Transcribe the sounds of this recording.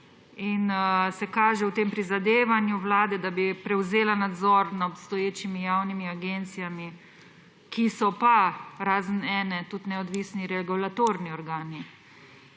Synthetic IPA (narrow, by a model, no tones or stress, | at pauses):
insɛkaːʒɛwt̪eːmpɾizad̪eːʋanjuwlaːd̪ɛd̪abipɾɛwzeːlanad̪zɔɾnaɔpst̪ɔjeːt͡ʃimijaːwnimiaɡent̪sijami | kʰisɔpaɾaːzənɛːnɛt̪ut̪nɛɔd̪ʋisniɾɛɡulat̪oɾniɔɾɡaːni